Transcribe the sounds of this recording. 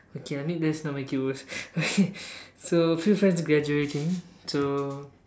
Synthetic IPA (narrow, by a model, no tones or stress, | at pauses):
okʰeaɪmĩnlɛsnɔt̚makuɔsokʰesofjufɹɛ̃nsɡɹɛd͡ʒuetĩŋso